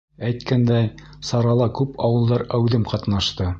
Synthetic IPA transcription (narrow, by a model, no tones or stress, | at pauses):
æjt̪kænd̪æj | sɑɾɑlˠɑkʉpʰɑwɤ̆lˠd̪ɑɾæwðɘmqɑt̪nɑʃt̪ɤ